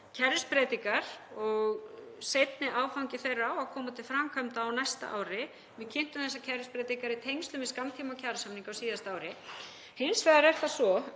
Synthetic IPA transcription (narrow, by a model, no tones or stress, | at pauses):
cʰɛɾʏspɾɛːt̪iŋkaɾ̥ɔɣ | sejt̪nɪʔaːwfawŋcɪθejrːawakʰɔːmat̪ʰɪlfɾamkʰamt̪aːwnɛjst̪a̰ʔa̰ːwɾɪ | vɪðcʰɪn̥t̪ʏmθɛsːacʰɛɾʏspɾɛːt̪iŋkaɾit̪ʰejŋst̪lʏmvɪðskamt̪ʰimawcʰaːɾsamniŋkawsiːðast̪aːwɾɪ | hɪnsfɛːðaɾɛr̥θasɔ